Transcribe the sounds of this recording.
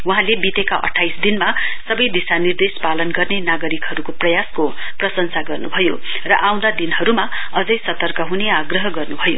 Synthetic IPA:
wuɦãlebit̪ekaʔʌ̰ʈʰːajsd̪inmasʌbʌjd̪isanird̪espalʌnɡʌrnenaɡʌɾikɦʌɾukoprʌjasko | prʌsʌnsaɡʌrnubʱʌjo | rʌʔaw̃d̪ad̪inɦʌɾuma | ʌd͡zʌjsʌt̪ʌrkʌɦuneaɡrʌɦʌɡʌrnubʱʌjo̰

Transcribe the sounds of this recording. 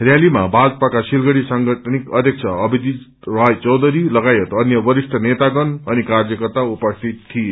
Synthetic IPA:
rjalimabad͡zpakasilɡʌɽisaŋɡʌʈʰnikʌd̪ʱjʌk̚t͡sʰʌʌbid̪i | rʌjt͡sʌwd̪ʱʌɾilʌɡajet̪ʌnjʌbʌɾisʈ̪ʰʌnet̪aɡʌnʌnikard͡zʌkʌrt̪aupʌst̪ʰit̪ʰːie

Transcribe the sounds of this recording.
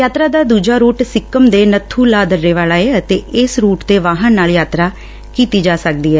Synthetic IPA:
jaːt̪ɾaːd̪aːd̪uːd͡ʒaːɾuːʈsɪkːəmd̪eːnət̪ʰːuːlaːd̪əɾːeːʋaːlaːeət̪eːɪsɾuːʈd̪eːʋaːɦənːaːljaːt̪ɾaː | kiːt̪iːd͡ʒaːsək̚d̪iːɦɛː

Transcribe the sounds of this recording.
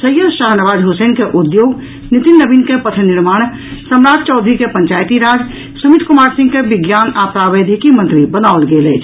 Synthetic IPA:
səjəd̪ʃaːɦnəʋaːd͡ʒɦʊsəːnkeʔʊd̪joːɡ | nɪt̪ɪnːəbinkepət̪ʰənɪɾmaːɽ̃ | səmɾaːtʰt͡ʃɔːd̪ʱɾikepə̃ɲt͡ʃaːjt̪iɾaːd͡ʒ | sumɪt̪ʰkʊmaːɾsɪ̃ŋɡkebɪɡjaːnapɾabeːd̪ʱikimə̃nt̪ɾibənaʊlɡeːləːt͡ʃʰ

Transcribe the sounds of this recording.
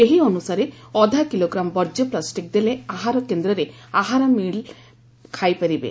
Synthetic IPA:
eɦiɔnusaɾeɔd̪ʱakiloɡɾambɔɾd͡ʒjɔplasʈik̚d̪eleaɦaɾɔkend̪ɾɔɾeaɦaɾɔmiɭ | kʰajpɐɾibḛ

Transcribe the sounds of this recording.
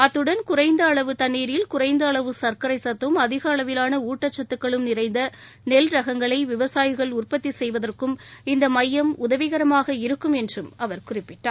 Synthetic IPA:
ɐt̪ːɯɽɐnkʊrɐɪnd̪ɐːɭɐʋɯt̪ɐnːiːɾjɪlkʊrɐɪnd̪ɐːɭɐʋɯsɐɾkɐɾɐɪsɐt̪ːɯmɐðɪɣɐːɭɐʋɪlaːnɐuːʈːɐt͡ʃːɐt̪ːɯkːɐɭɯmnɪrɐɪnd̪ɐ | nɛlɾɐɣɐŋɡɐɭɐɪʋɪʋɐsaːjɪɣɐɭʊrpɐt̪ːisɛjʋɐðɐrkɯmɪnd̪ɐmɐjːɐmʊðɐʋɪɣɐɾɐmaːɣɐɪɾɯkːɯmɛndrɯmɐʋɐɾkʊrɪpːɪʈːa̰ːɾ

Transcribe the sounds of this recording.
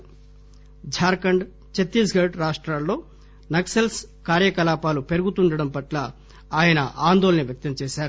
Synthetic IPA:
d͡ʒʱaːɾkɐɳɖ | t͡ʃet̪ːisɡɐɾɖɾaːʂʈɾaːlːo̞ː | nɐksɐlskaːɾjɐkɐlaːpaːlupe̞ɾuɡut̪uɳɖɐɽɐmpɐʈlɐ | aːjɐnɐʔaːnd̪olɐnɐʋjɐk̚t̪ɐmt͡ʃɛːʃaːɾu

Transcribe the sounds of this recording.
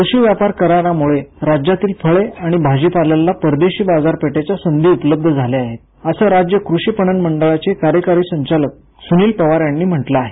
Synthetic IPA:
kɾuɕiːʋjapaɾkəɾaɾamuɭeɾad͡ʑjat̪iːlfʰəɭeaɽ̃ibʱad͡ʑiːpaljalːapəɾd̪eɕiːbad͡zaɾpeʈet͡ɕjasənd̪ʱiːupələb̚d̪ʱəd͡zʱaleaɦet̪ | əsəːɾad͡ʑjəkɾuɕiːpəɳənməɳɖəɭat͡sekaɾjəkaɾiːsəɲt͡ɕalək̚ | suniːlpəʋaɾjanːiːm̤əʈlaːɦe

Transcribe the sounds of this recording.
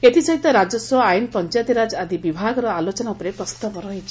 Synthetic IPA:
et̪isɔɦit̪ɔɾad͡ʒɔswɔajnpɔnt͡ʃajt̪iɾad͡ʒad̪ibibʱaɡɔɾɔalot͡ʃɔnaupɔɾepɾɔst̪apɔɾɔɦit͡ʃʰi̥

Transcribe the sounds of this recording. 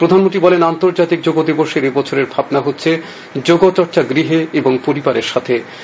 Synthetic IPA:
pɾod̪ʱanmontʈ̪ɾibɔlenant̪oɾd͡ʑat̪ik̚d͡ʑoɡod̪iboʃeɾebɔt͡ɕʰoɾeɾbʱabnaɦotːɕʰe | d͡ʑoɡot͡ɕɔɾt͡ɕaɡɾiɦeeboŋpoɾibaɾeɾʃat̪ʰe

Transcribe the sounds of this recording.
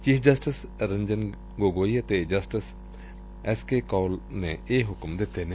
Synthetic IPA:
t͡ʃiːfʰd͡ʒɐsʈɪsɾə̃ɲd͡ʒən | ɡoːɡoːiɐt̪ed͡ʒɐsʈɪs | ɛskekɔːlnẽeɦʊkmd̪ɪt̪enẽ

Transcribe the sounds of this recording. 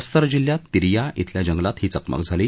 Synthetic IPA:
st̪əɾd͡ʑiljat̪ːiɾijaʔit̪ʰljad͡ʑəŋɡlat̪ɦiːt͡səkmə̰kd͡zʱaliː

